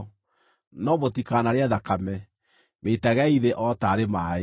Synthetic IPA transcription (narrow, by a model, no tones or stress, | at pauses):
nɔmotikanaɾeɛðakamɛ | metaɣɛiðeʔɔtaːɾemae